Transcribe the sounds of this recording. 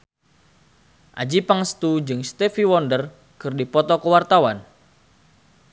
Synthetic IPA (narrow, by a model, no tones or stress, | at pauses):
ʔa̰d͡ʒipaŋəst̪ud͡ʒɨŋst̪ɛfiwɔndər | kɨrdipɔt̪ɔkəwart̪awan